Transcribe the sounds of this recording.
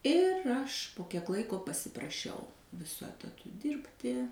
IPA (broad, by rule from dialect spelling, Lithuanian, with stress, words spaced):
ɪr ˈɐʃ poː kʲiɛk ˈlˠɐɪkoː pɐsʲɪprɐˈʃʲɛʊ ʋʲɪˈsʊ ɛtɐˈtʊ ˈdʲɪrʲpʲtʲɪ